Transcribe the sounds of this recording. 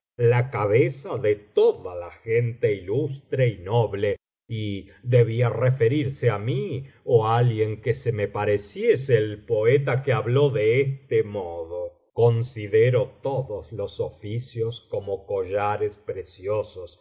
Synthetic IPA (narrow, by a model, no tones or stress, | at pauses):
lakaβesaðet̪oðalaxent̪e̞ilust̪ɾeinoβle | i | ðeβiarefe̞ɾiɾseamioalɣje̞ŋkesemepaɾesjeseːlpo̞et̪akeaβlo̞ðeest̪emoðo | ko̞nsiðeɾot̪oðoslo̞sofisjo̞sko̞moko̞ʒaɾespɾesjosos